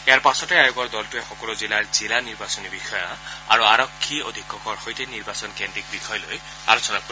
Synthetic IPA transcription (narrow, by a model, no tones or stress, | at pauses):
eaɾpasɔtejajoɡɔɾd̪ɔltuexɔkɔluzilaɹzilaniɾbasɔnibixɔjɔa̰ɾuaɾɔkʰːiɔ̰d̪ʱikːɔkɔɾxojteniɾbasɔnkendik̚bixʰɔjɔloj | a̰ɾɔsʰɔnak